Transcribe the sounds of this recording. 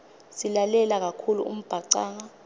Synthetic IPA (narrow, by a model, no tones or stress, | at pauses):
silalɛlak̬akʰulṵṵm̩b̥ʱaǀaːŋa